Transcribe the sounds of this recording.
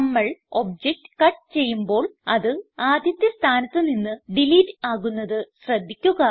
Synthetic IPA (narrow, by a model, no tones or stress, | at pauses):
ɐmːɐɭo̞b̚d͡ʑek̚ʈkɐʈːt͡ɕe̞jːumbo̞ːɭɐðɨaːd̪ʱjɐt̪jɐst̪ʰaːnɐt̪ːɨninːɨɖiliːtːaːɣunːɐðɨɕrɐd̪ʱːikʲːuɣɐ